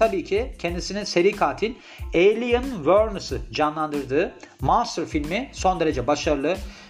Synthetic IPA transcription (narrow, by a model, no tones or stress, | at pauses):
t̪ʰabiːcʰicʰɛnd̪isinise̞ɾiːkʰaːt̪ʰilʲ | ejlʲijɯnvøɾnɯsɯd͡ʒanlˠand̪ɯɾd̪ɯː | maɾsɯɾfilʲmiso̞nd̪e̞ɾe̞d͡ʒɛbaʃaɾɯlˠɯ